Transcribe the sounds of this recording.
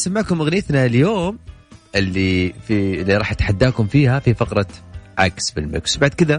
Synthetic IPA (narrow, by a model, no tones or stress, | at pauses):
samːɪʕkʊmʔaɣnjɪt̪naljoːm | ʔɪlːifilːiɾˤɑːħjɪt̪ħad̪ːaːkʊmfiːhafifɑqɾˤɑʕa̰ksbɪlmɪ̰kswbaʕd̪̚kɪða